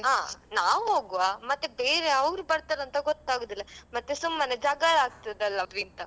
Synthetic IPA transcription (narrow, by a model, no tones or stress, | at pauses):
ɦaːnaːʋɦoːɡuʋaːmɐt̪ːebeːɾeɐʋɾubɐɽt̪ɐɾɐnt̪ɐɡɔt̪ːaːɡod̪ilːɐmɐt̪ːesumːɐned͡ʒaːɡɐlaːɡ̚t̪id̪ɐlːɐɾint̪ɐ